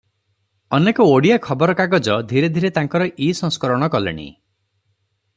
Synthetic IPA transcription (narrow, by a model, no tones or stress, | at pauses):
ɔnekɔoɽijakʰɔbɔɾɔkaɡɔd͡ʒɔd̪ʱiɾed̪ʱiɾet̪aŋkɔɾɔʔisɔ̃ŋskɔɾɔɽ̃ɔkɔlḛɽ̃ḭ